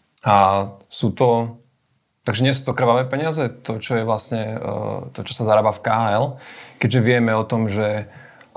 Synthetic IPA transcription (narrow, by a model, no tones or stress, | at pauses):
asuːt̪ɔ | t̪aɡʒɛɲɪɛs̬uːt̪ɔkr̩ʋaʋɛːpɛɲɪazɛt̪ɔt͡ʃɔjɛʋlasɲɛ̰t̪ɔt͡ʃɔ̥sazaɾaːbafkaaɛlkɛɟʒɛʋɪɛmɛɔt̪ɔmʒɛ